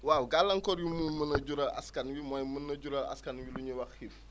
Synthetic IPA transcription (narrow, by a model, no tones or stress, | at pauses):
wawɡalːɐŋkɔɾjumumənɐɟuɾɐʔɐ̰skɐnwimɔːjmənːɐɟuɾɐʔɐ̰skɐnwiluɲiwɐxhif